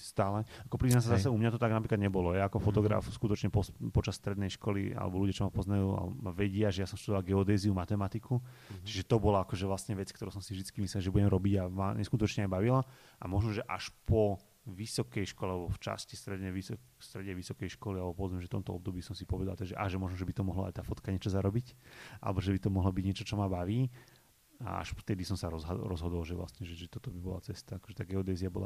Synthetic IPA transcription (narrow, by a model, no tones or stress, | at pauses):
st̪aːlɛakɔpɾiznas̬azasɛumɲat̪ɔt̪aɡnapɾiklad̪̚ɲɛbɔlɔjaːkɔfɔt̪ɔɡɾa̰fskut̪ɔt͡ʃɲɛpɔpɔt͡ʃasst̪ɾɛd̪nɛjʃkɔlia̰lɛ̰bɔluɟjat͡ʃɔmapɔznajuːa̰aʋɛɟɪaʒɛjasɔmsʃt̪ud̪ɔʋalɡɛɔd̪ɛːziumat̪ɛmat̪ikut͡ʃiʒɛt̪ɔbɔlaakɔʒɛʋlasɲɛʋɛt͡skt̪ɔɾuːsɔmsivʒd̪it͡skimislɛlʒɛbuɟɛmɾɔbiɟama̰ɲʔɛskut̪ɔt͡ʃɲɛajbaʋila | ʔamɔʒnɔʒɛʔa̰ʃpɔ | ʋisɔkɛjʃkɔlɛalɛbɔft͡ʃa̰scist̪ɾɛd̪ɲɛʋis | st̪ɾɛd̪ɲɛʋisɔkɛjʃkɔlialɛbɔpɔʋɔd͡zmɛmʒɛft̪ɔ̰mt̪ɔɔb̚d̪ɔbiːsɔmsipɔʋɛd̪alt̪ɛʒɛʔaʒɛmɔʒnɔʒɛbit̪ɔmɔɦlɔ̰a̰jt̪aːfɔt̪kaɲɪɛt͡ʃɔzaɾɔbica̰lɛbɔʒɛbit̪ɔmɔɦlɔbiɟɲɛt͡ʃɔt͡ʃɔmabaʋiː | a̰a̰ʃft̪ɛd̪isɔmsaɾɔzɦaɾɔzɦɔd̪ɔlʒɛʋla̰sɲɛʒɛʒɛt̪ɔt̪ɔbibɔla̰t͡sɛst̪aakɔ̥ʒɛt̪aːɡɛɔd̪ɛːziabɔ̰la̰